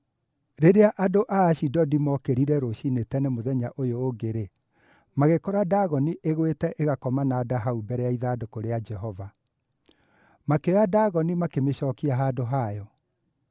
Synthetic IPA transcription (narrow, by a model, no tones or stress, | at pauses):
ɾeɾeaʔadoʔaːɕidɔdimɔkeɾiɾɛɾoʃinetɛnɛmoðɛɲaʔojoːɡeɾe | maɣekɔɾadaːɣɔniʔeɣwetɛʔeɣakɔmanaːdaɦaubɛɾɛaiðaːdokoɾead͡ʒɛɦɔva | makeɔjadaːɣɔnimakemeɕɔːkiaɦaːdoɦaːjɔ